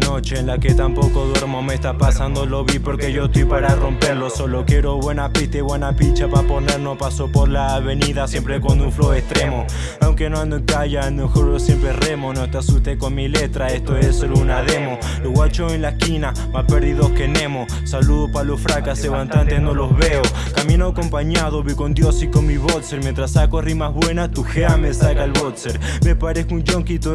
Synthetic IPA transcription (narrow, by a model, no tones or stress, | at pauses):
no̞t͡ʃeːnlaket̪ampo̞ko̞ðweɾmomest̪apasand̪olo̞βipoɾke̞ʝoest̪ojpaɾaro̞mpe̞ɾloso̞lokjeɾo̞βwe̞napiht̪eβwe̞napit͡ʃapaponeɾnopaso̞poɾlaːβe̞niðasjempɾekonuɱfloest̪ɾe̞mo | awŋkenonkaʝamexoɾsjempɾere̞monoest̪asust̪ekonmile̞t̪ɾaest̪oesolounaðe̞mo | loɣwat͡ʃoenlaehkina | maspeɾðiðohkene̞mo | saluðopaɾalofɾakaseβant̪ant̪enolozβeo | kaminokompaɲaðoβikond̪josikonmiβot̪seɾmjent̪ɾasakorimazβwe̞nat̪uxeamesakaelβot̪seɾ | mepaɾeskund͡ʒoŋkit̪o